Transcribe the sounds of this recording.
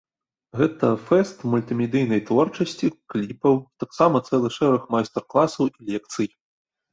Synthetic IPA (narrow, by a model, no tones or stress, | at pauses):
ɣɛt̪ɐfɛst̪mulʲt̪ɨmʲɛd̪ɨjnɐjt̪vɔrt͡ʂɐsʲt͡sʲiklʲipɐwt̪aksamɐt̪sɛlˠɨʂɛɾɐxmajst̪ɛrklˠasɐwilʲɛk̚t̪sɨj